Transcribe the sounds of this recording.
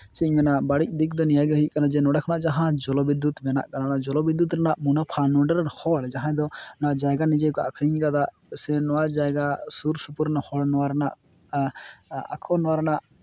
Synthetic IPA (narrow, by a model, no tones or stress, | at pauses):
sɛɲmɛnaʔbaɽic̚ˀd̪ikʰd̪ɔnijaɡəɦiʔ̚kanad͡ʒɛnɔɽakʰnaʔd͡ʒaɦãd͡ʒɔlɔbid̪ut̪mɛna̰ʔkananad͡ʒɔlɔbid̪ːut̪ɾɛnaʔmunapʰanɔɳɖəɾnhɔɭd͡ʒaɦãd̪ɔnaʔd͡ʒajɡanid͡ʒɛkɔa̰kʰɾiɲɡad̪aʔ | sɛnɔwad͡ʒajɡasuɾsupuɾnhɔɭnɔwaɾɛna̰ʔ | a̰kʰɔnɔwaɾɛnaʔ